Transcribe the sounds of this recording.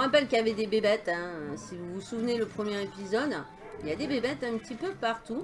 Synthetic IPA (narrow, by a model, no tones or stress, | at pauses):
ʁapɛlkʲjaved̪ebebɛt̪ɛ̃sivuvusuvneləpχəmjeʁepizɔd̪ | iljad̪ebebɛt̪ɛ̃pət̪ipøpaʁt̪u